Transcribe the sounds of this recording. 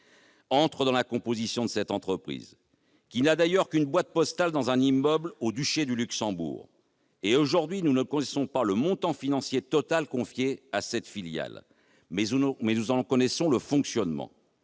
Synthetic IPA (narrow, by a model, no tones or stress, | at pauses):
ɑ̃t̪χəd̪ɑ̃lakɔ̃pozisjɔ̃d̪əsɛt̪ɑ̃t̪χəpχḭz | kʲinad̪ajœʁkynbwat̪̚pɔst̪ald̪ɑ̃zɛ̃nimːœblod̪yʃed̪ylyksɑ̃bṵːʁ | eoʒuʁd̪ɥinunəkɔnɛsɔ̃paləmɔ̃t̪ɑ̃finɑ̃sjet̪ɔt̪alkɔ̃fjeasɛt̪filja̰l | mɛmɛnuzɑ̃kɔnɛsɔ̃ləfɔ̃ksjɔnmɑ̰̃